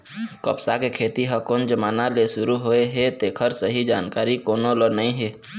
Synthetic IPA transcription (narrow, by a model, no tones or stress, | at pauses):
kə̰psakekʰeːt̪iɦəkond͡ʒəmaːnaleʃʊɾuɦoeɦɛt̪eːkʰəɾsəɦid͡ʒaːnkaːɾikoːnolonəĩɦɛː